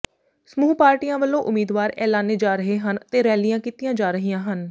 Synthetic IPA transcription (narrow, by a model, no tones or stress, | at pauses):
səmuːpaːɾʈiːjãːʋəlːõːʔʊmiːd̪ʋaːɾɛːlaːneːd͡ʒaːɾəɦeːɦənt̪eːɾɛːlijãːkiːt̪ijãːd͡ʒaːɾəɦijãːɦən